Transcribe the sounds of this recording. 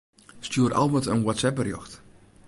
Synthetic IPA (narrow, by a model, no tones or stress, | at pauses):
stjuəɾʔa̰lˠmətənwɔtsɛp̚ərjɔxt